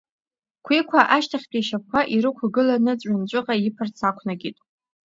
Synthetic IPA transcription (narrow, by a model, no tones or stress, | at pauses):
kʷʰikʷʰaʔaʃtʰaχʲpʼiʃakʷʰaʔiɾɨkʷʰaɡɨlanɨt͡sʷʼant͡ɕʷʼʊqʼajipʰart͡sʰakʷʰnaɡʲitʼ